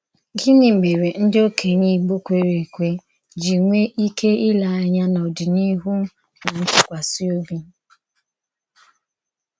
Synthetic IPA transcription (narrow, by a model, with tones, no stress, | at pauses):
ɡɪ˦nɪ˨m̩˨me˨ɾe˨n̩˦dɪ˦o˦kʰe˨ɲi˦˨ɡ͡bo˦kʷe˨ɾe˨kʷe˦ | d͡ʒi˨ŋʷe˦ʔi˦ke˦ɪ˦la˨a˨˦ɲa˦nɔ˨dɪ˨ni˦ɦu˦ | na˨n̩˦tʊ˦kʷa˨si˦o˦bi˦